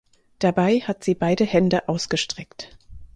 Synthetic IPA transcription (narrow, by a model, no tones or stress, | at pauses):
d̥abaɪhatz̥iːbaɪdəhɛndəʔaʊsɡ̥əʃtʁ̥ɛkt